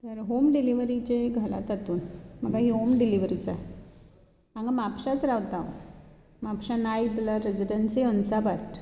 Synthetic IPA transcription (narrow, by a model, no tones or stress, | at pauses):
t̪jaɾɦomɖiliʋɾit͡ɕeɡʱəla̰t̪at̪uːnməɡaɦiɦomɖiliʋɾit͡sa | mãŋɡamapɕat͡sɾaʋt̪a | mapɕanajblaɾed͡ʑiɖənsiənsabaʈ